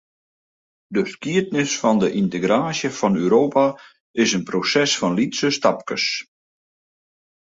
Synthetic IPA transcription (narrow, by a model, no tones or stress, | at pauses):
dəskiət̚nɪsfɔndəʔinteɡɾaːsjəfɔnøːɾoːpa | ɪsənprosɛsfɔnlitsəstap̚kəs